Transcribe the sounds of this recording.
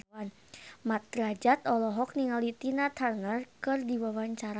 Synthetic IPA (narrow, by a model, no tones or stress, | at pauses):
an | mat̪̚ɾad͡ʒat̪ɔlɔɦɔk̚niŋalit̪inat̪ʰarnərkɨrdiwawaɲt͡ʃaɾa